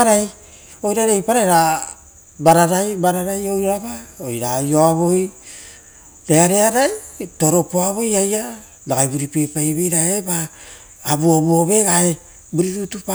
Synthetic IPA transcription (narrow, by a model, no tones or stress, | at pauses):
aɾaj | o̞jɾaɾejpaɾajɾa | baɾaɾajbaɾaɾajo̞jɾaβaojɾajo̞aβo̞j | ɾeaɾe̞aɾajto̞ɾo̞poaβo̞jaja | laɡajbuɾipepajβejɾaebaː | buoβuoβe̞ɡae | buɾiɾutupa